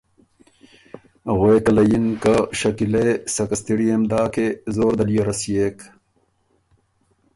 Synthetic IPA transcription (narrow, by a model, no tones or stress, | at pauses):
ɣweːkɐlɐjinkaɕɐkilesɐkɐst̪iɾijemd̪aːkezoːɾd̪ɐlijɐɾɐsijeːk